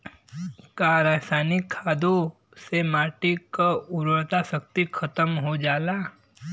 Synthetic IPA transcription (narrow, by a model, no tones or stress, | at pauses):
kaɾaːsaːnɪkʰːaːd̪o | semaːʈikaʊɾəɾt̪asək̚t̪ikʰɐt̪əmɦod͡ʒaːlaː